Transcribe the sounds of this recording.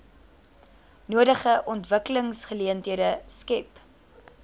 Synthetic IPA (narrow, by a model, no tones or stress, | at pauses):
nuədəχəʔɔntvəkələŋsχəliəntɦiədəskɛp